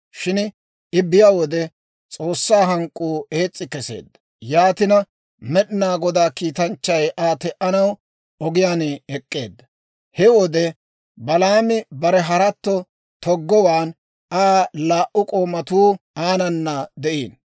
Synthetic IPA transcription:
ʃɪn | ɪbːɪjawɔd̪ɛ | t͡sʼo̞ːsːaːɦɐŋkʼːuːe̞ːt͡sʼːɪkɛse̞̰ːd̪ːɐ | jaːt̪ɪnɐ | mɛɗɪnaːɡɔd̪aːkiːt̪ɐnt͡ʃːɐjʔaːt̪ɛʔɐnɐw | ɔɡɪjaːneɛkʼːe̞̰ːd̪ːɐ | hɛwɔd̪ɛ | bɐlaːmɪbɐɾɛɦɐɾɐt̪ːɔ | t̪ɔɡːɔwaːn | aːlaːʔʊkʼo̞ːmɐt̪uːaːnɐnːɐd̪ɛʔḭːn

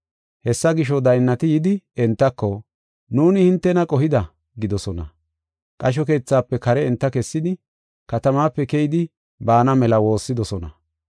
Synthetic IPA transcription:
hɛsːɐɡɪʃ̬ɔd̪ɐjnːɐt̪ɪjɪd̪ɪɛnt̪ːɐkːɔ | nuːnɪhɪnt̪ːɛnɐkʼɔɦɪd̪ɐ | ɡɪd̪ɔsɔnɐ̰ | kʼɐʃ̬ɔke̞ːt͡sːaːpːɛkɐɾɛɛnt̪ːɐkɛsːɪd̪ɪ | kɐt̪ɐmaːpːɛkɛjɪd̪ɪ | baːnɐmɛlɐwo̞ːsːɪd̪ɔsɔnɐ̰

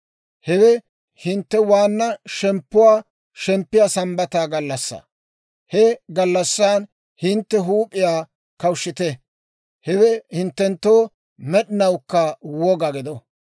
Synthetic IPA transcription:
hɛwɛ | hɪnt̪ːɛwaːnːɐʃɛmpːʊwaː | ʃɛmpːɪjaːsɐmbɐt̪aːɡɐlːɐsːa̰ː | hɛɡɐlːɐsːaːn | hɪnt̪ːɛɦuːpʼːɪjaː | kɐwʃːɪt̪ɛ | hɛwɛhɪnt̪ːɛnt̪ːoː | mɛɗɪnɐwkːɐwɔɡɐɡɪd̪ɔ

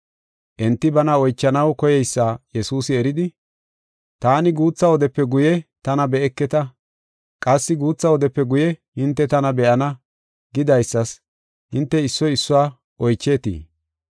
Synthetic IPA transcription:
ʔɛnt̪ːɪbɐnɐɔjt͡ʃːɐnɐwkɔjɛjsːaːjɛsuːsɪɛɾɪd̪ɪ | t̪aːnɪɡuːt͡sːɐwɔd̪ɛpːɛɡʊjɛt̪ɐnɐbɛɛkːɛt̪ɐ | kʼɐsːɪɡuːt͡sːɐwɔd̪ɛpːɛɡʊjɛhɪnt̪ːɛt̪ɐnɐbɛʔɐnɐ | ɡɪd̪ɐjsːɐs | hɪnt̪ːɛɪsːɔjɪsːʊwaː | ʔɔjt͡ʃːeːt̪ḭː

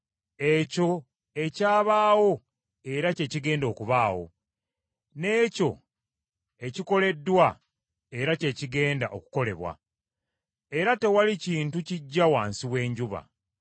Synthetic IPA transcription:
e̞co̞ | e̞caːβaːwo̞ | e̞ɾace̞ːciɡe̞ːndo̞ːkuβaːwo̞̰ | ne̞ːco̞̰ | e̞ciko̞le̞dːwa | e̞ɾace̞ːciɡe̞ːndaʔo̞̰ku̥ko̞le̞̰βwa̰ | e̞ɾate̞waliciːntuciɟːawaːnsiwe̞ːɲɟuβa̰

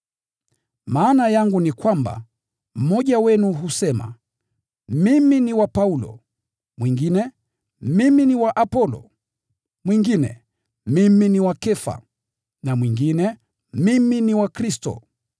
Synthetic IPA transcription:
maːnajaŋɡunikwamba̰ | m̩ɔʄawɛnuɦusɛma̰ | miminiwapaulɔ̰ | mwiŋɡinɛ | miminiwaʔapɔlɔ̰ | mwiŋɡinɛ̰ | miminiwakɛfa̰ | namwiŋɡinɛ | miminiwakɾistɔ̰

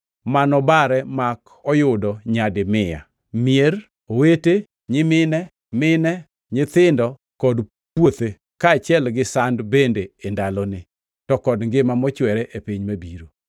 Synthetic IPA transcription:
manɔbaɾɛmak | ɔjʊdɔɲadɪmɪja̰ | mier | owete | ɲɪmɪnɛ | mɪnɛ | ɲɪt̪ɪndɔ | kɔd | pwot̪e | kaːt͡ʃjɛlɡɪsandbendeːndalɔnɪ | tɔkɔdŋɡɪmamɔt͡ʃwɛɾɛʔepiɲmabiɾo

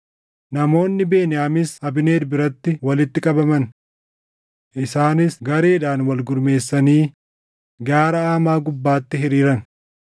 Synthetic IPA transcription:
nɐmo̞ːnːɪbe̞ːnɪjaːmɪshɐbɪne̞ːd̪bɪɾɐt̪ːɪwɐlɪt̪ːɪkʼɐbɐmɐn | ʔɪsaːnɪsɡɐɾe̞ːᶑaːnwɐlɡʊɾme̞ːsːɐniː | ɡaːɾɐaːmaːɡʊbːaːt̪ːɪɦɪɾiːɾɐn

